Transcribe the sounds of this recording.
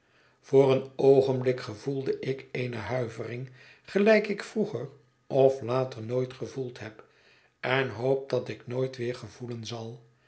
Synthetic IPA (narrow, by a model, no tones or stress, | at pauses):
v̥oːrənowχənblɪkχəvulˠdəʔɪkeɪjnəɦœɥvərɪŋ | χəlɛjkɪkfruχər | ʔɔflaːtəɹnojtχəvulˠtɦɛp | ɛnɦowp̚d̥ɑtɪknoːjtʋɪːɹχəvulənzɑlˠ